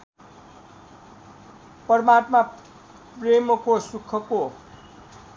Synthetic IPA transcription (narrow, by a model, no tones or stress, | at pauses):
pʌrmat̪ma | premʌkosukʰːʌko